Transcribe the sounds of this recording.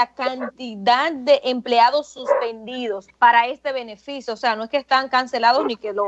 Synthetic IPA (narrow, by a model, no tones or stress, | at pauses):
akant̪iðad̪̚d̪e̞ʔempleaðo̞sːuspe̞nd̪iðo̞spaɾae̞st̪e̞βe̞ne̞fisjoːse̞ano̞e̞skest̪aŋkanse̞laðosnikelo